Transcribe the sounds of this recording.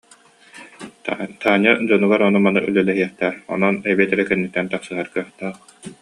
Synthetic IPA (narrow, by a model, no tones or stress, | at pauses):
t̪ʰaːɲad͡ʑɔnuɡaɾɔnumanɯʔylœlɛɦiɛχt̪ɛːɾɔ̰nɔnɛbiɛt̪ɛɾɛkɛnːit̪ːɛnt̪aχsɯɦaɾkœχt̪aːχ